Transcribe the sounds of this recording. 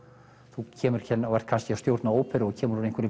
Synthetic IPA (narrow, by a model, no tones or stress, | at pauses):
θucʰɛːmʏɾ̥cʰɛnːɔɣɛr̥t̪kʰanscɪɛast̪jowɾt̪naoːwpɪɾɔɣcʰɛːmʏɾunejŋkʰʏɾɪ